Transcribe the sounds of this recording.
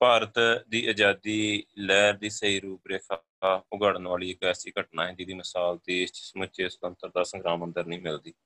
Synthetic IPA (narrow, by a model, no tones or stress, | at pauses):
paːɾət̪d̪iːʔəd͡ʒaːd̪iːlɛːɾd̪iːsəɦiːɾuːpɾeːkʰ | aʊɡəɽənʋaːliːɪkɛːsiːkəʈnaːɦɪ̃nd̪iːd̪iːməsaːlt̪iːst͡ʃsəmət͡ʃeːsət̪ənt̪əɾd̪aːsə̃ŋɡɾaːmənd̪əɾnəĩːmɪld̪iː